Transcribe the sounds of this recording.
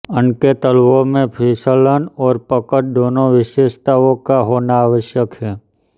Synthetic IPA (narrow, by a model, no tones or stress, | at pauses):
ənket̪əlʋõmẽpʰiːsələnɔːɾpəkəʈ̚d̪oːnõʋɪʃeːʃt̪aːʋõkaɦoːnaːʋəʃjəkɦɛː